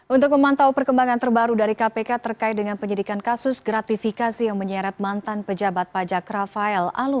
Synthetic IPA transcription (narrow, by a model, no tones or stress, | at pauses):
ʔunt̪ʊk̚məmant̪aupərkəmbaŋant̪ərbaɾudaɾikapekat̪ərkaɪt̪̚dəŋanpəɲədikankasʊsɡɾat̪ifikasijaŋməɲɛɾat̪̚mant̪anpəd͡ʒabat̪̚pad͡ʒakɾafaɛla̰lu